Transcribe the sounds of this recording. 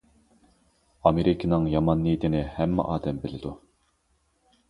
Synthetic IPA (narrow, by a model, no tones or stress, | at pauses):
ɑmeɾikʰinɨŋjɑmɑnːit̪ʰɪnɪhɛmːɪ̰ʔɑːd̪ɛmbɪlɪd̪u